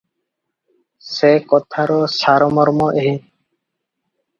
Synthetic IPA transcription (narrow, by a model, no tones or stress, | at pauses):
sekɔt̪ʰaɾɔsaɾɔmɔɾmɔʔeɦĩ